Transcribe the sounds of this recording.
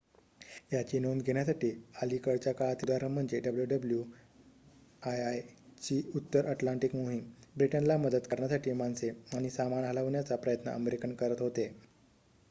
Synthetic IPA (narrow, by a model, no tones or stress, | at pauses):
jat͡ɕiːnonɡʱeɳjasaʈiːaliːkəɭt͡ɕjakaɭat̪ilaɾəm̤əɳd͡zeɖəbljuɖəblju | ajajt͡ɕiːut̪ːəɾʔəʈlaɳʈikmoɦimbɾiʈənlaməd̪ət̪kəɾɳjasaʈiːmanseaɽ̃isamanɦalaʋɳjat͡sapɾəjət̪nə̰əmeɾikəɳkəɾət̪ɦot̪e